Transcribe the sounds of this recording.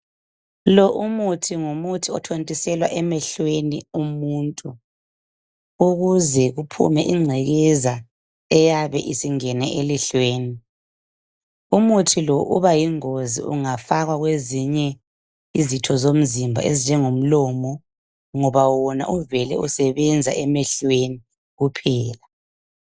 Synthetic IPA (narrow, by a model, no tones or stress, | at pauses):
lɔʔumutʰiŋumutʰiɔtʰontʼisɛlwaʔɛmɛɬweniumuːntʼu | uɣuzɛɣupʰṵmɛʔiŋ͡ǀʱɛɣɛza | ɛjaβɛʔisiŋɛnɛʔeliɬweːni | umutʰilɔʔṵβajiŋozḭṵŋafaɣwaɣweziɲɛ | izitʰɔzom̩zimbʱa̰ezind͡ʒʱɛŋom̩lɔːmɔ | ŋɔβawɔna̰ʔuvɛlɛusɛβɛnd͡zʱaʔɛmɛɬweni | ɣupʰɛːla